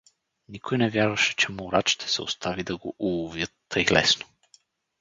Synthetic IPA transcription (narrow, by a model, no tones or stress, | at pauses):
nikojnɛvʲjaɾvɐʃɛ̥t͡ʃɛmoɾat͡ʃt̪ɛ̥sɛ̰o̰st̪ʰavid̪ɐɡoʔulˠovjət̪ːəjlɛ̰sno̥